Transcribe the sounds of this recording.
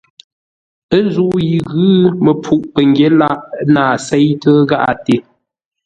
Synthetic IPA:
ə˦n˦zu˦˨ʔji˨ɣɨ˦mə˨pʰu˦ʔpə˨ŋɡje˦la˦˨ʔnaː˨sɛ˦jtə˦ɣa˦ʔa̰˨te˨

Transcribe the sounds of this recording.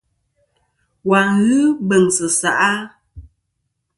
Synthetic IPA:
wa˨ŋɣɨ˦bə˨ŋsə˨sa˨ʔa˦

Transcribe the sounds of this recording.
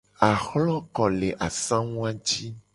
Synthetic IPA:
a˨xlɔ̃˦kɔ˨le˨ʔa˨sã˦ŋũ˦a˦t͡ʃi˦

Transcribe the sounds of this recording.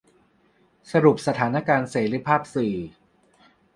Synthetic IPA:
sa˧ɾu˨˩p̚sa˧t̪ʰaː˩˦na˦˥kaː˧nseː˩˦ɾi˧˥pʰaː˥˩p̚sɯː˨˩

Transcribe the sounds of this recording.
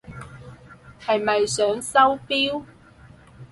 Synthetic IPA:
hɐ˨jmɐ˨jsœː˨˥ŋsɐ˥wpiː˥w

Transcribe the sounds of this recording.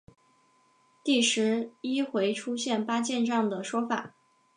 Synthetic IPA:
t̪i˥˩ʂɻ̩˧˥i˥xwe˧˥ɪʈ͡ʂʰu˥ɕjɛ˥˩npa˥t͡ɕjɛ˥˧nʈ͡ʂɑ˥˩ŋd̪ə˩ʂwɔ˥fa̰˨˩˦

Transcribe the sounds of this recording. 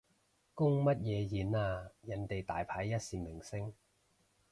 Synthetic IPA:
kʊ˥ŋmɐ˥t̚jɛː˨˧jiː˨˧naː˧jɐ˨nt̪e˨jt̪aː˨jpʰaː˨˧˥jːɐ˥t̚siː˨mɪ˨˩ŋsɪ˥ŋ

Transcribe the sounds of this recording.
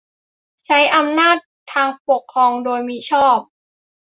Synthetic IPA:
t͡ɕʰa˦˥jʔa˧mnaː˥˩t̪ʰːaː˧ŋpo˨˩kʰːɾɔː˧ŋdoː˧jmiː˦˧˥t͡ɕʰɔː˥˩p̚

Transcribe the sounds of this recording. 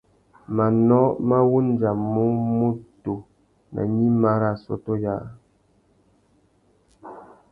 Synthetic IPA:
ma˨nɔ˦ma˦wu˦n̩˦d͡ʒa˨mu˦mu˦to˨ | na̰˨ɲi˦ma˦ɾa˨sɔ̰˦to˦ja˦˨

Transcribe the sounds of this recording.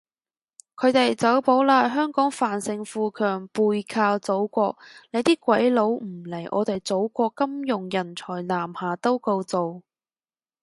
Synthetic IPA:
kʰɵ˨˧ɥt̪e˨jt͡sɐ˨˥wpo˨˥wlaː˧jɦœː˥ŋkɔː˨˥ŋfaː˨˩nsɪ˧ŋfuː˧kʰœː˨˩ŋpuː˧jkʰaː˧wt͡so˨˥wkʷɔː˧k̚ne˨˧jt̪iː˥kʷɐ˨˥jlo˨˥wm̩˨˩le˨˩jʔɔ̰ː˨˧t̪e˨jt͡so˨˥wkʷɔː˧kːɐ˥mjʊ˨˩ŋjɐ˨˩nt͡sʰɔː˨˩jlaː˨˩mhaː˨˩t̪o˥wko˧wt͡so˨w

